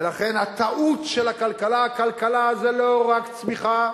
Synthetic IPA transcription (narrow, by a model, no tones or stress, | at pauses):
laχenhat̪aʔutʃelakalkalakalkalazeloʁakt͡smiχa